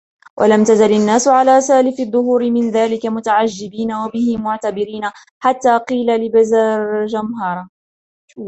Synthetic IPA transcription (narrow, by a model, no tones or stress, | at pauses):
wʔa̰lamt̪azalɪnːaːsʊʕalaːsaːlɪfɪðˤːʊhuːɾɪmɪnðaːlɪkamʊt̪aʕad͡ʒːɪbiːnawabɪhɪmʊʕt̪abɪɾiːna | ħat̪ːaːqiːlalɪbazaːɾd͡ʒamɦɑːɾˤɑ